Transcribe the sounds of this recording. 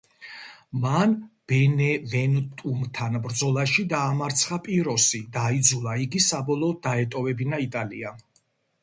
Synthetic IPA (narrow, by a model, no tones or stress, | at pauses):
manb̥ɛnɛvɛnt̪ʼumt̪ʰanbɾd̪zɔlˠaʃid̪aːmaɾt̪sʰχapʼiɾɔsid̪aid̪zulˠaiɡisabɔlˠɔːd̪̚d̪aɛt̪ʼɔvɛbinait̪ʼalḭa